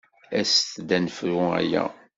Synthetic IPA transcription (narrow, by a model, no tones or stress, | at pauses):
æst̪d̪ænfɾʊæ̰jæ̰